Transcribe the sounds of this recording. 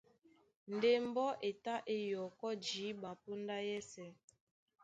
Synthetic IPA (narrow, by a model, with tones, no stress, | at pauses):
n̩˨de˦m˦bɔ˦ʔe˨ta˦ʔe˦jɔ˨kɔ˦d͡ʒi˨˦ba˨po˦nda˦jɛ˦sɛ˨˦